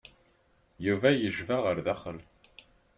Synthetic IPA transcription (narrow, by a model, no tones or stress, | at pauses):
juvæjəʒvaʁəɾðæχəl